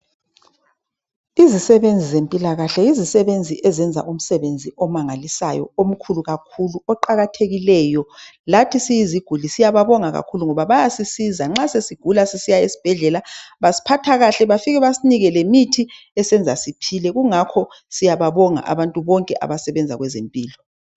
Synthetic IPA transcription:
izisɛβend͡zʱizempʼilaɣaɬɛjizisɛβend͡zʱiʔɛzɛnd͡zʱa̰ʔum̩sɛβend͡zʱiɔmaŋalisa̰jɔ̰om̩kʰuluɣakʰuluɔǃaɣatʰeɣilɛːjɔlatʰisijiziɡ̥ʱulisijaβaβɔŋaɣa̰kʰuluŋɔβaβajasisizaŋ͡ǁasesiɡ̥ʱulasesijaesi̥b̥ʱɛɮɛlaβasi̥pʰatʰaɣaɬɛβafiɣɛβasiniɣɛlemitʰi | ɛsɛnd͡zʱa̰sipʰilɛɣuŋakʰɔ | sijaβaβɔŋa̰ʔa̰βantʼuβɔŋkʼɛʔa̰βasɛβɛnd͡zʱa̰ɣwɛzempʼiːlɔ

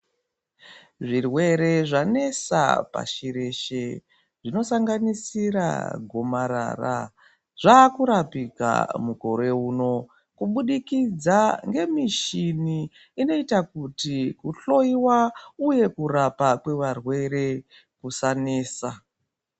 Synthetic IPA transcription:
ʐirwe̞ɾe̞ʐane̞sa̰pa̰ʃiɾe̞ʃe | ʐino̞saŋɡanisiɾa̰ɡʱo̞maɾa̰ra̰ | ʐ̥aːkuɾapika̰muko̞ɾe̞uːno̞ | kuɓuɗikid͡zaŋɡe̞miʃiniː | no̞itakutikuɬo̞iwauje̞kuɾapakwe̞ʋarwe̞ɾe̞ | kusaneːsa

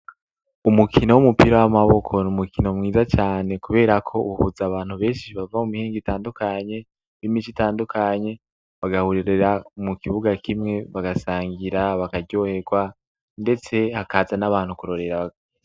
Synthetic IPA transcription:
umukʰinowumupiɾawamaβo̞kʰo̞numukʰinomŋiːzat͡ʃaːne̞kuβe̞ːɾakʰo̞ṵβuhuzaːβaːn̥huβe̞ːnʃiβavamumihiːŋɡitaːndukaɲe̞ | nimit͡ʃitaːndukʰaɲe̞ | βaɡahuɾiɾeɾaumukiβuɡakimŋe̞βaɡasaːŋɡiɾaβakaɟo̞he̞ɾɡwa | nde̞t͡se̞hakaːzanaβaːn̥hukuɾo̞ɾe̞ɾaβa

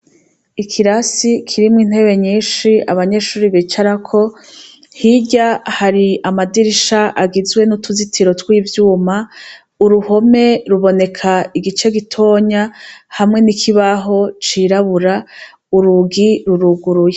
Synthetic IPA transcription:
ikʰiɾasikʰiɾimŋiːn̥he̞βe̞ɲiːnʃiaβaɲe̞ʃuːɾiβit͡ʃaɾakʰo̞ | hiɟahaɾiamadiɾiʃaʔaɡizɡwe̞nutuzitʰiɾo̞twiːvjuːma | uɾuho̞me̞ɾuβo̞ne̞kʰaiɡit͡ʃe̞ɡitʰo̞ːɲahamŋe̞nikʰiβaɦo̞t͡ʃiɾaβuɾa | uɾuɡiɾuɾuɡuɾuje

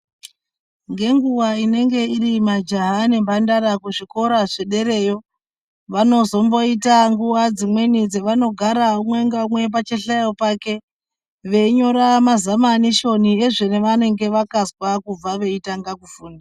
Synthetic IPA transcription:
ŋɡe̞ŋɡuwaine̞ŋɡe̞iɾimad͡ʒaɦane̞mbandaɾakuʐiko̞ɾaʐeɗe̞ɾe̞ːjo̞ | ʋano̞zo̞mbo̞itaŋɡuʋad͡zimwe̞nid͡zeʋano̞ɡʱaɾaumwe̞ŋɡaumwe̞p̬at͡ʃe̞ɬajopaːke̞ | ʋe̞iɲo̞ɾamazamaniʃo̞nie̞ʐene̞ʋane̞ŋɡe̞ʋakazwakub͡vaʋe̞itaŋɡakufuːnda

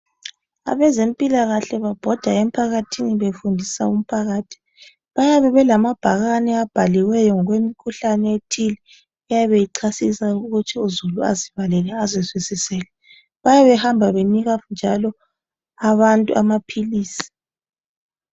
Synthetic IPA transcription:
a̰βɛzempʼilaɣaɬɛβab̥ʱɔd̥ʱaem̩pʰaɣatʰiniβefundʱisa̰um̩pʰaɣaːtʰi̥ | βajaβɛβɛlamab̥ʱaɣanɛab̥ʱaliwɛjɔŋɔɣwemikʰuɬanɛetʰili | ɛjaβejiǀʰasisauɣut͡ʃʰɛuzulua̰ziβalɛlɛazeswisisɛːlɛ | βajaβɛhambʱaβeniɣand͡ʒʱalɔ | aβantʼṵʔa̰mapʰiliːsi̥

